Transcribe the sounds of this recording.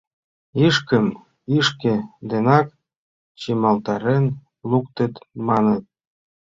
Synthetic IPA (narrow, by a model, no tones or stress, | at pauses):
iʃkəm | iʃkĕd̪enɑk | t͡ɕimɑlt̪ɑɾen | luk̚t̪ə̆t̪mɑnət̪̚